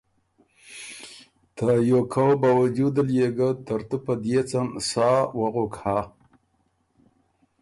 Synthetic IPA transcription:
t̪ajokʰawbawad͡ʒud̪əljeɡat̪əɾt̪upəd̪jet͡samsɑwaɣokha

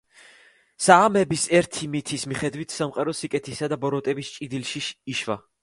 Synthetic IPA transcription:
saːmɛbisɛɾt̪ʰimit̪ʰismiχɛd̪wit̪ʰsamqʼaɾɔsikʼɛt̪ʰisad̪abɔɾɔt̪ʼɛbist͡ʃʼid̪ilʃiʃːʃva̰

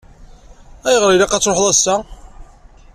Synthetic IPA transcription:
æjəʁɾilɑqɑt͡sːɾoħðˤæsːæ

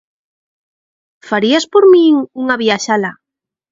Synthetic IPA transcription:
faɾiaspoɾmĩŋuŋaβiaʃala

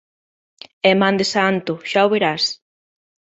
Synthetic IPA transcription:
emãnd̪esant̪ʊʃaoβeɾas

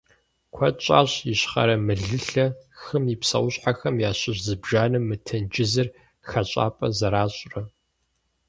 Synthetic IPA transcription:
kʷʰɐt͡ʃʼa̰ːɕjɪɕχɐ̰ɾɐmɨɮɨɬɐxɨmipsɐ̰wɕħaxɐmjaːɕɪʑzɨbʒaːnɨmːɨtʰɐnd͡ʒɪzɐr | xɐt͡ɕʼa̰ːpʼɐ̰zɐɾaːɕʼrɐ

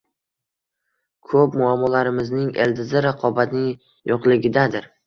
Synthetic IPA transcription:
kʰɵp̚mʊamːɒlaɾɪmɪznɪŋḛld̪ɪzɪɾaqʰɒbat̪nɪŋ | joqlˠɪɡʲɪd̪ad̪ɪɾ

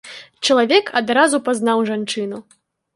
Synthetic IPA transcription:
t͡ʂɐlˠavʲɛkʰad̪ɾazupaznawʐant͡ʂɨnu

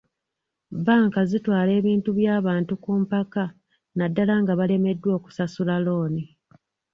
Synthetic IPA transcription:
baːŋkazitwaːle̞ːβiːntuβjaːβaːntukuːmpaka | nadːalaŋɡaβale̞me̞dːwo̞ːku̥sasulalo̞ːni

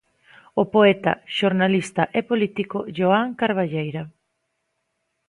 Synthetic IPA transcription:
opoɛt̪a̰ʃoɾnalist̪aʔepolit̪ikoʝoaŋkaɾβ̞aʎejɾa

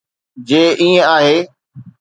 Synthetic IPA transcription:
d͡ʑeːʔiːə̃aːɦeː

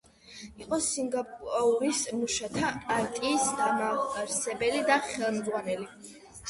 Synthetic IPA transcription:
iqʼɔsiŋɡapʼauɾismuʃat̪ʰapʼaɾt̪ʼiːsd̪amaɾsɛbɛlid̪aχɛlˠmd̪zʁwanɛli

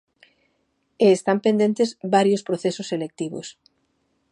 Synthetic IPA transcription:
eːst̪ampend̪ent̪ezbaɾjospɾoθesʊselek̚t̪iβʊ̰s

